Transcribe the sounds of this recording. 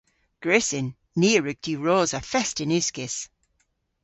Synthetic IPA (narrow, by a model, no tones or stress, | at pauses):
ɡ̥ɹɪsɪnː | iːɹʉɡ̥̚d̥iːɹoːzəfɛstɪnʉskɪs